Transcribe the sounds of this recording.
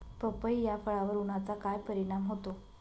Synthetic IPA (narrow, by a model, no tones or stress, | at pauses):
pəpəjjafəɭaʋəɾuɳat͡sakajpəɾiɽ̃amɦot̪o